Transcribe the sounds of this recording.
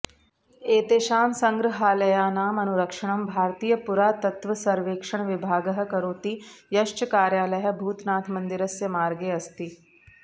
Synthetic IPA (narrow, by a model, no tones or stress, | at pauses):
eːt̪eːʃaːmsɐ̃ŋɡɾɪɦaːlɐjaːnaːmɐnuɾɐkʂɐɽ̃ɐmbʱaːɾt̪iːjəpuɾaːt̪ɐt̪ʋɐsɐɾʋeːkʂɐɳ̃ʋɪbʱaːɡɐɦɐ̆kɐɾoːt̪ijɐʃt͡ʃəkaːɾjaːlɐjɐbʱuːt̪naːt̪ʰmɐ̃nd̪ɪɾɐsjɐmaːɾɡeːɐst̪i